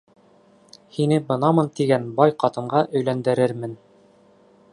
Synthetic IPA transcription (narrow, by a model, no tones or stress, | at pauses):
hinɘbɤ̆nɑmɤnt̪iɡænbɑjqɑt̪ɤ̆mɢɑʔɵ̆jlænd̪ɘ̆ɾɘɾmɘn